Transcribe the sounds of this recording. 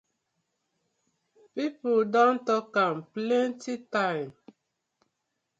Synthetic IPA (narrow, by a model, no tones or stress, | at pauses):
pipoldɔ̃ntɔkãmplɛ̃ntitãɪ̃m